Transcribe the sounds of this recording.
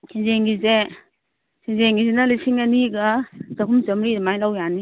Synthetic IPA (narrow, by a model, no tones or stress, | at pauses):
sʰinzeŋɡize | sʰinzeŋɡizenalisiŋaniɡazaɦumzəmɾidmajlawjani